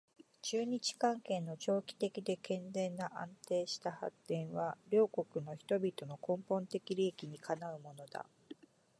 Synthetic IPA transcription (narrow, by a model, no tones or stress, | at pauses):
t͡ɕɨːɲ̟it͡ɕi̥kãŋkẽ̞nːo̞t͡ɕo̞ːkʲi̥t̪e̞kʲid̪e̞kẽ̞nd͡zẽ̞nːaʔãnt̪e̞ːɕi̥t̪aha̰t̪ːẽ̞ɰ̃βaɾʲo̞ːko̞kɯ̟no̞çi̥t̪o̞bʲit̪o̞no̞kõ̞mpõ̞nt̪e̞kʲiɾʲiekʲiɲ̟ikʰanaɯ̟mo̞no̞d̪̥a̰